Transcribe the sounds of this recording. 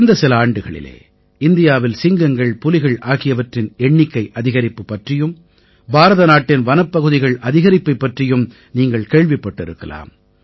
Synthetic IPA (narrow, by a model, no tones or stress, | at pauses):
nd̪ɐsɪlɐaːɳɖɯɣɐɭɪ̰lḛː | ɪnd̪ɪjaːʋɪlsɪŋɡɐŋɡɐɭpʊlɪɣɐɭʔaːɣɪjɐʋɐʈrɪnɛɳːɪkːɐɪʔɐðɪɣɐɾɪpːɯpːɐʈrɪjɯm | bʱaːɾɐðɐnaːʈːɪnʋɐnɐpːɐɣɯðɪɣɐɭʔɐðɪɣɐɾɪpːɐɪpːɐʈrɪjɯm | niːŋɡɐɭkeːɭʋɪpːɐʈːɪɾɯkːɐ̰la̰ːm